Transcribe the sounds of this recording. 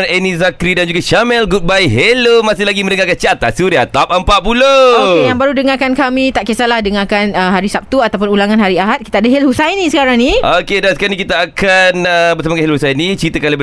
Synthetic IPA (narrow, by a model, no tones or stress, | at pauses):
nɛnizakɾidand͡ʒuɡaʃamɛlɡut̪̚bajɦelomasɪhlaɡimə̃ndəŋakant͡ʃiat̪a̰suɾiat̪ap̚əmpaʔ̚pulooejaŋbaɾudəŋarkankamit̪aʔkəsalahdəŋakanəɦaɾisap̚t̪uat̪awpʊnulaŋanɦaɾiaɦat̪̚ki̥t̪aadəɦɛlhusajnĩsəkaɾaŋniʔokedansəkaɾnĩkit̪aːkanəbəsamakahɛlohusajnĩt͡ʃɾit̪əkanlabə